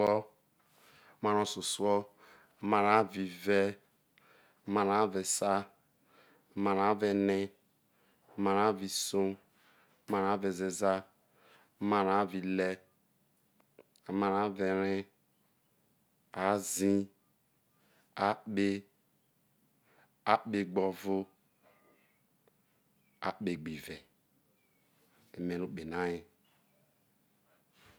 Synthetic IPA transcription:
ɔ˦ | ma˨ɾo˨so˨su˦ɔ˦ | ma˨ɾa˨˦vi˨vɛ˦˨˦ | ma˨ɾa˨˦ve˨sa˦˨ | ma˨ɾa˨˦ve˨nɪ˦˨ | ma˨ɾa˦vi˨so˦ | ma˨ɾa˦ve˨ze˨za˦ | ma˨ɾa˨˦vi˨le˦ | a˨ma˨ɾa˨˦ve˨ɾe˦ | a˦zĩ˦ | a˦ɓe˦ | a˦ɓe˨ɡ͡bɔ˨vʊ˦ | a̰˦ɓe˨ɡ͡bi˨ve˨ | e˨me˨nu˦k͡pe˨na˦je˦

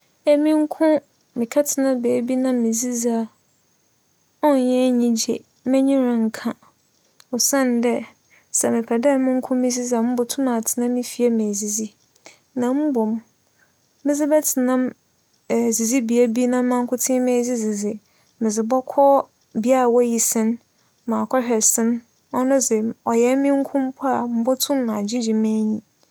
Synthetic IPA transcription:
ɛ˨mĩ˦ŋ̩˦kʰʊ̃˦ | mɪ̃˨kʰa˦tʰɪ˨nã˦bɛ˨bi˦nã˦mɪ̃˨zi˦za˨˦ | ɔ˦n˨jɛ̃˦ɲĩ˦d͡ʑḛ˨ | mɛ̃˦ɲĩ˦ɾʊ̃˨ŋ̩˨kʰã˦ | ɔ˨sã˦˨n˨˦dɛ˦ | sɛ˨mɪ̃˨pʰɛ˨dɛ˦˨˦mɪ̃˦ŋ̩˦kʰʊ̃˦mɪ̃˦zi˦za˨m̩˦bʊ˨tʰʊ̃˦mã˨tʰɪ˨nã˦mːɪ̃˦fi˨a˦mẽ˨æ˨zi˨zi˦ | nã˨m̩˦bɔ˨m˦ | mɪ̃˦zɪ˦bɛ˦tʰɪ˨nã˦m˨ | zi˨zi˦bi˨æ˦bi˦nã˦mã˦ŋ̩˦kʰʊ˦tʰɪ̃˦mɪ̃˨˦æ˨zi˦zɪ˨zɪ˨ | mɪ̃˨zɪ˨bɔ˦kʰɔ˦ | bi˦a˦a˨wɔ˦ji˨sɪ̃˦n | mã˨kʰɔ˦ɕᶣɛ˨sɪ̃˦n | ɔ˦nʊ̃˦sɛ˨ɔ˨jɛ˦mɪ̃˦ŋ̩˦kʰʊ̃˦m˦pʰɔ˦a˨m̩˦bɔ˦tʰʊ̃˦m˦nã˨d͡ʑɪ̃˦d͡ʑĩ˨mæ̃˦ɲĩ˦

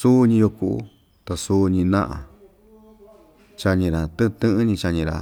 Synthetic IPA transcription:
su˦ɲĩ˧jo˧ku˧ʔṵ˦ | t̪a˧su˦˧ɲĩ˧nã̰˦ʔã̰˨ | t͡ʃa˧ɲĩ˧ɾa˨t̪ɨ̃˦˧t̪ɨ̃˦ʔɲĩ˧t͡ʃa˧ɲĩ˧ɾa̰˨

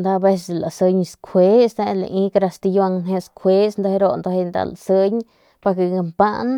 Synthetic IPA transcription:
nd̪a˧be˧s̬la̰˨sə˧ɲskʰʷe˦sd̪a˧la̰˧ʔĩ˦kɾa˧st̪i˧ja˧ŋnɦe˧skʰʷe˦snd̪a˧he˧ɾo˦nd̪a˧he˧nd̪a̰˧la̰sə˦ɲ | pa˧ke˧˨ŋa˧mpa˦n

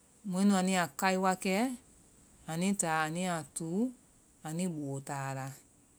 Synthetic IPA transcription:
m˧ẽ˨˦nũ˧a˨nĩ˧a˨ka˧i˦wa˧kɛ˦ | a˨nĩ˦taː˨˦a˨nĩ˦a˨tu˨˦ | a˨nĩ˦ɓo˨taː˨la˧

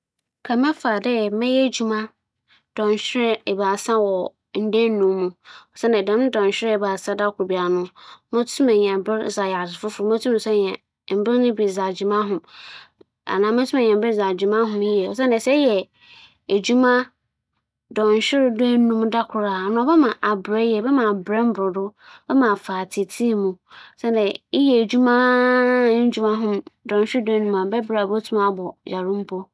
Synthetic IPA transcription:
kʰa˨mɛ̃˦fa˨dɛ˦˨mɪ̃˦jɛ˦˨d͡ʑu˨mã˦ | d̥ɔ̃˨n˨ɕᶣɪ˦ɾɛ˦ɛ˨ba˨sã˦wɔ˨ | n̩˦dɛ̃˦n˦nũː˨˦ũ˦ɔ˨sɛ˦nã˨dã˨mñ˦dɔ̃˨n˨ɕᶣɪ˦ɾɪ˦ɛ˨ba˨sã˦da˦kʰʊ˨ɾbi˨a˨nʊ̃˦mʊ̃˦tʰũ˦mɛ̃˨ɲ˨ɛ̃˨bɪ˦ɾza˨ja˨sɪ˨fʊ˦fʊ˨ɾʊ˨˦mã˦tʰu˦m˨sɛ˦ɲɛ̃˨ | m̩˨bɪ˦ɾnʊ̃˦bi˨za˨d͡ʑi˨mã˦ɦʊ̃˨m | a̰˨nãː˨˦mɛ̃˦tʰũ˦mɛ̃˨ɲɛ̃˨m̩˦bɪ˦za˨d͡ʑi˨mã˦ɦʊ̃˨mji˦ɛ˨ɔ˨sɛ˦nɪ̃˨sɛ˦jɛ˨ | e˨d͡ʑu˦mã˦ | dɔ̃˨n˨ɕᶣɪ˦ɾdʊ˦ɛ˦nũ˦mda˦kʰʊ˨ɾaː˨nʊ̃˨˦bɛ˦mã˨ʔa˨bɾɛ˦jɛ˨bɛ˦mã˨bɾɛ˦m̩˦bʊ˨ɾʊ˨dʊ˦bɛ˦mã˨faː˨tʰi˨tʰi˦˨mũ˨˦sɛ˦n˦dɛ˨i˦jɛ˨e˨d͡ʑu˦mã˦ | n̩˦d͡ʑu˦mã˦ɦʊ̃˦mdɔ̃˨n˨ɕᶣɪ˦ɾdɛ˦nũ˦mã˨bɛ˦bɾa˨bo˦tʰu˦mã˦bɔ˨ja˨ɾʊ̃˦m̩˦pʰɔ˦

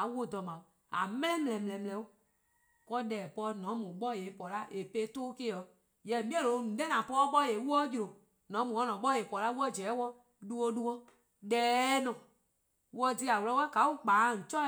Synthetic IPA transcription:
a˨˦wo˧˦˨dɔ˨mã˨u˨ | a̰˨mɛ̃˦lɛ̃˦mɛ̃˨lɛ̃˨mɛ̃˨ɛ̃˨mɛ˧˨lɛ̃˨˦u˦ | kɔ˦dɛː˨pɔ˧˦nɔ̃˨˦mũ˨ɓɔ˦je˨˦pɔ˨la˦ʔe˨pe˦toː˦ke˦ɔ˨ | jɛ˨mĩ˦ɛ̃˦lo˨˦nũ˨dɛ˦nã˨pɔː˦ɓɔ˦je˨˦wɔ˦d͡ʒu˧ɾo˨ | nɔ̃˨˦mũ˨wɔ˦nɔ̃˨ɓɔ˦e˨pɔ˨la˦wɔ˦˨d͡ʒɛː˨˦wɔ˦ | du˦wo˧du˦wo˦ | dɛː˨˦nɔ̃˨ | wɔ˧˦ti˦a˨wo˧lɔ˦wɛ˦ka˨˦wu˦k͡paː˨˦˨ŋ̩˨t͡ʃɔ˦

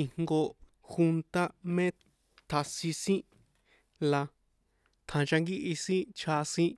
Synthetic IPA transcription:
i˧ŋŋɡo˧ | xu˧nt̪a˦mẽ˦ | t̪ʰa˧sĩ˧sĩ˦ | la˧ | t̪ʰã˨˧t͡ʃa˧ŋɡi˦ʔi˧sĩ˦t͡ʃʰa˧sĩ˦

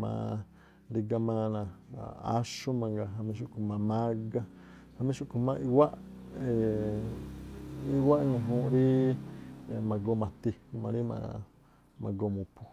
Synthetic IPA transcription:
mã̰ː˧˨ | di˧ɡa˧mã˧nã˧˨a̰˦ʃu˦mã˧ŋɡa˧ɦa˧mĩ˧ʃ̬u˦˧ku˧mã˧mã˦ɡa˦ | ha˧mĩ˦ʃu˦˧ku˧mã˧i˧wa˦ʔe˨ | i˧wa˦ʔɲũ˧ɦũː˧˦ɾi˦˨ | mã˧ɡo˧mã˨t̪i˧mã˧ɾi˦mã̰˧ | mã̰˧ɡo˧mũ˨pu˧

